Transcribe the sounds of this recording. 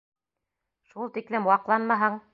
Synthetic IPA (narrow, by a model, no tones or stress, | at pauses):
ʃulˠt̪iklɘmwɑqlˠɑnmɑɦɤɴ